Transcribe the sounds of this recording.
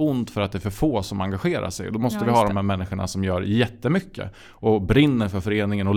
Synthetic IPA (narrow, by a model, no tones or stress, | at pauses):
ʊnt̪fœɾat̪d̪ɛæːɾfœɾfoːsɔmaŋɡaɧeːɾa̰ʂɛ̰jd̪ɔmɔst̪əvɪɦɑːd̪ɔmhæɾmɛnːɪɧəɳa̰sɔmjœːɾjɛt̪ːəmʏkːə̰ | ɔbɾɪnːəɾfœɾfœɾeːnɪŋənɔl